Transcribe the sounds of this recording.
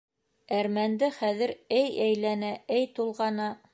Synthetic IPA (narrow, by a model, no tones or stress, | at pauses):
æɾmænd̪ɘχæðɘɾæjæjlænææjt̪ulˠʁɑnɑ